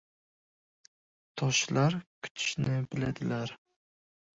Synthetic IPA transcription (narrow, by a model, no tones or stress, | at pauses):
t̪ʰɒʃlɑɾkʲʰy̥t̪ʰy̥ʃnɪbɪlad̪ɪlæɾ